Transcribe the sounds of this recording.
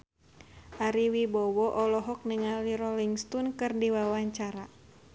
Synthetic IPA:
ʔaɾiwibɔwɔʔɔlɔɦɔk̚nəŋaliɾɔliŋst̪unkɨrdiwawaɲt͡ʃaɾa

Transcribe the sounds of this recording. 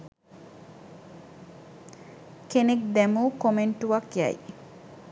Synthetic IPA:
kenek̚d̪ɛmukomeɳʈuʋakja̰j

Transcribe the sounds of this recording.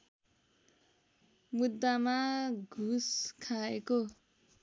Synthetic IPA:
mud̪ːamaɡʱuskʰaeko

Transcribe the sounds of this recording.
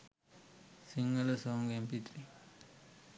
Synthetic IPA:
siŋɡɐlɐsoːŋɡempit̪ɾi

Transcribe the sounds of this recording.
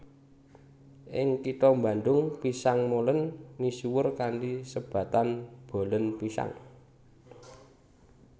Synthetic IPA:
ʔɪŋkit̪ɔmba̤nd̪ʊŋpisaŋmolənːisiwʊrkandisəb̥a̤t̪anb̥o̤lənpisa̰ŋ

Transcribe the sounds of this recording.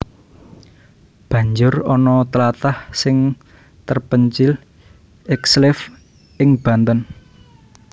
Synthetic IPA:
b̥ä̤ɲd͡ʒʊrɔnɔt̪əlat̪ahsɪŋ | t̪ərpəɲt͡ʃɪl | ɪkslɪf | ɪŋb̥a̤nt̪ən

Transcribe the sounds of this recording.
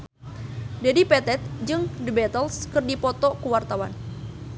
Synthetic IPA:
dadipɛt̪ɛt̪̚d͡ʒɨŋdəbɛt̪əlskɨrdipɔt̪ɔkəwart̪awan

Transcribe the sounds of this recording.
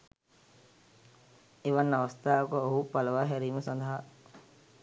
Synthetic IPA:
eʋanːaʋəst̪ʰaːʋəkəoɦupaləʋaɦæɾiːməsɔnd̪əɦa

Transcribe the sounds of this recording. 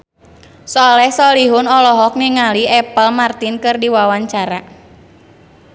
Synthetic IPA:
sɔlɛhsɔliɦʊnɔlɔɦɔk̚niŋaliɛpəlmart̪ɪnkɨrdiwawaɲt͡ʃaɾa

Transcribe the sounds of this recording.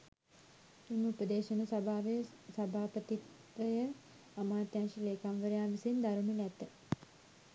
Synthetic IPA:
imːupəd̪eːʃənəsɐbʱaːʋejə | sɐbʱaːpət̪it̪ | ʋəjə | amaːt̪janʃileːkamʋəɾejaːʋisind̪aɾuminɛt̪ə

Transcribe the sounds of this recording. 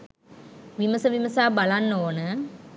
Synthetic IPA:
ʋiməsəʋiməsaːbalanːoːnə

